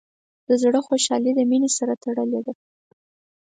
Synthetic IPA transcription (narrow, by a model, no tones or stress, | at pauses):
d̪̥əzɽəxoʃɑlid̪əminesaɾat̪aɽəled̪a